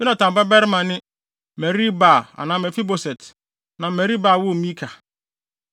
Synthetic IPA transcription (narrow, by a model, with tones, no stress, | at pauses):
jɪ˦nã˨tã˨m˨pa˦bɛ˦ɾɪ˦mã˨nɪ̃˦ | mɛ˨ɾi˦baː˨a̰˨nãː˨mɛ˨fi˦bo˨sɛ˨t | nã˨mɛ˨ɾi˦baː˨wʊ˦mĩ˦kʰa˨